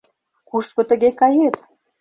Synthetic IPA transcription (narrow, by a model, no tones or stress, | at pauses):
kuʃkŏt̪ə̆ɣekɑjet̪